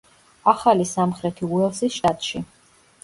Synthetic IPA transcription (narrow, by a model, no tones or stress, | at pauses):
aχalisamχɾɛt̪ʰiuɛlsisʃt̪ʼat̪ʼʃi